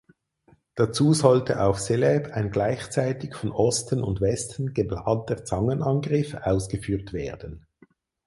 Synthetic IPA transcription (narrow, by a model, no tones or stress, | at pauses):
d̥at͡suːzɔltəʔaʊfselɛpʰaɪnɡlaɪçt͡saɪtɪçfɔnʔɔstənʊ̰ndvɛstn̩ɡ̥əblaːntət͡sɑŋənɑnɡʁɪfaʊsɡ̥əfyːtv̥eːɐd̥ən̩